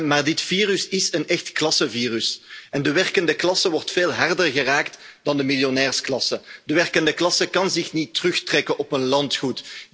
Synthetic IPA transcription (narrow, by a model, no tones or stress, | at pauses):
maːrdɪtfiːrʉsɪsənɛxtklɑsəviːrysɛndəʋɛrkəndəklɑsəʋɔrtfeːlˠɦɛrdərɣəraːktd̥ɑndəmilˠjonɛːrsklɑsədəʋɛrkəndəklɑsəkɑnzɪxnitːrɵxtrɛkənʔɔpənlɑntxut